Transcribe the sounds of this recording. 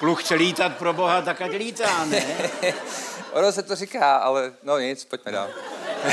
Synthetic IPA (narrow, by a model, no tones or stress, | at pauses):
kluxt͡ʃɛliːt̪at̪̚pɾoboɦat̪akacliːt̪aːnɛ | ʔonosɛt̪orikaːʔalɛnoɲɪt͡spoc̚mɛda̰ːl